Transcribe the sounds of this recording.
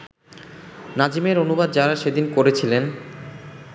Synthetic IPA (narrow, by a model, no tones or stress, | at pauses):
nad͡ʑimeɾonubad̪̚d͡ʑaɾaʃed̪inkoɾet͡ɕʰilen